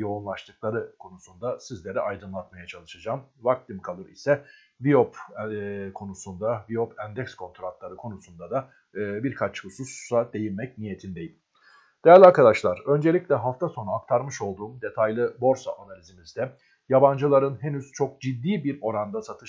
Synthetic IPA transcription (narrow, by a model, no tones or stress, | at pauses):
jo̞unlˠaʃt̪ʰɯklˠaɾɯkʰo̞nusund̪asizlʲe̞ɾɛajd̪ɯnlˠat̪majat͡ʃʰalˠɯʃad͡ʒaːmvak̚t̪ʰimkʰalˠɯɾisɛ | vijop | kʰo̞nusund̪avijopʰænd̪ɛkskʰo̞nt̪ʰɾat̪lˠaɾɯkʰo̞nusund̪ad̪a | biɾkʰat͡ʃhɯsussad̪e̞jinmɛcnije̞t̪ʰind̪e̞jim | d̪̥eæɾlʲiaɾkʰad̪aʃlˠaɾ̥ø̞nd͡ʒe̞lʲicʲlʲɛɦaft̪ʰaso̞nuak̚t̪ʰaɾmɯʃo̞lˠd̪uːmd̪e̞t̪ʰajlʲˠɯbo̞ɾsaʔanalʲizimizd̪ɛ | jaband͡ʒɯlˠaɾɯnɦenyz̥t͡ʃʰo̞k̚d͡ʒid̪ːiːbiɾo̞ɾand̪asat̪ʰɯ